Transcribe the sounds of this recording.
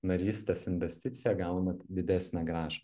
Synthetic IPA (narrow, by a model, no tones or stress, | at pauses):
nɐɾʲiːsʲt̪ʲeːsɪnʲʋʲɛsʲt̪ʲɪt̪sʲɪjɛɡɑˑʊnɐt̪d̪ʲɪd̪ʲæsʲnʲæɡɾɑːʒɐ